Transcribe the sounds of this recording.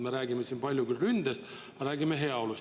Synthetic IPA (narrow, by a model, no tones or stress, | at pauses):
me̞ɾæːɡimesiːnpɑlʲjukylrynd̪̥est̪ | ɑɾæːɡime̞ɦe̞ɑo̞lus